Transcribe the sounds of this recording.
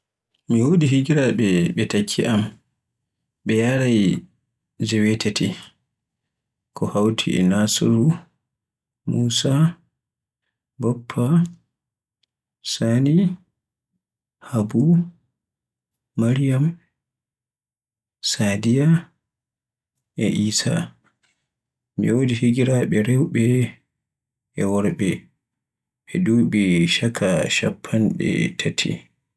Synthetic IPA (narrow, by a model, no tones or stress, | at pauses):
miwoːdiɦiɡiɾaɓɛɓɛtakʰːiʔam | ɓɛjaɾaj | d͡ʒɛwɛtʰeti | kʰɔhawtʰḭɛ̰nasɾu | muːsa | bɔpʰːa | sani | habu | aɾijam | sadija | ɛʔiːsa̰ | mḭodihiɡiɾaɓɛɾɛwɓɛ | ʔɛwɔɾɓɛ | ɓɛdubɛʃakʰaʃa̰pʰːanɓɛ̰tʰatʰḭ